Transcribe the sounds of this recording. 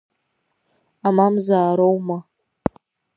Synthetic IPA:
amamzaːɾowma

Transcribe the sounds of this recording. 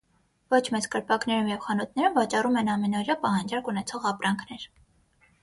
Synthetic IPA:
vɔt͡ʃʰmɛt͡skəɾpɑknɛɾumjɛvχɑnɔt̪̚ʰnɛɾumvɑt͡ʃɑrumɛnɑmɛnɔɾjɑpɑhɑnd͡ʒɑɾkunɛt͡sʰɔʁɑpɾɑŋkʰnɛɾ

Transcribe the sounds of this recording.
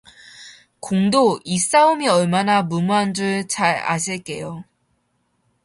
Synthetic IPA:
koŋdois͈aumiʌɭmanamumuɦand͡ʑuɭt͡ɕaɾa̰ɕʰiɭk͈e̞jo

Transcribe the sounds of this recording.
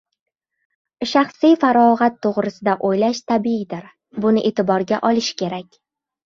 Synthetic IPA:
ʃaχsijfaɾɒʁat̪ʰːoʁɾɪsɪd̪aʔojlaʃt̪ʰabiid̪ɪɾ | bʊnɪʔe̞t̪ɪbɒɾɡʲaʔɒlˠɪʃkʲʰe̞ɾakʲ

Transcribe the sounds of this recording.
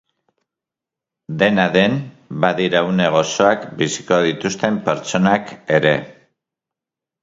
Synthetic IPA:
d̪e̞naðe̞m | baðiɾaune̞ɣ̞o̞so̞akbisi̥ko̞ð̞it̪ust̪e̞mpe̞ɾt͡ʃo̞nake̞ɾe̞

